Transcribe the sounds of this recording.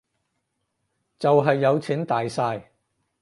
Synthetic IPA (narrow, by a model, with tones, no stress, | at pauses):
t͡sɐ˨wɦɐ˨jːɐ˨˧wt͡sʰiː˨˥nt̪aː˨jsaː˧j